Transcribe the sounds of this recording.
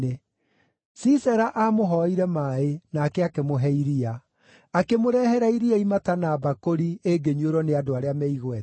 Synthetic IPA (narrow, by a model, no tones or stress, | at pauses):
e | sisɛɾaʔamoɦɔiɾɛmaenaːkɛakemoɦɛiɾia | akemoɾɛhɛɾaiɾiaimatanaːbakoɾieɡeɲoɾɔneadoaɾeamɛiɣwɛt